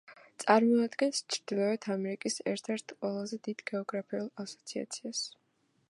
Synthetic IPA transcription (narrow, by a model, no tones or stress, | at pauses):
t̪sʼaɾmɔad̪ɡɛnst͡ʃʰɾd̪ilˠɔɛt̪ʰamɛɾikʼisɛ̰ɾt̪ʰɛɾt̪ʰqʼwɛlˠazɛd̪id̪̥ɡɛɔɡɾapʰiulˠasɔ̥t̪sʰia̰t̪sʰias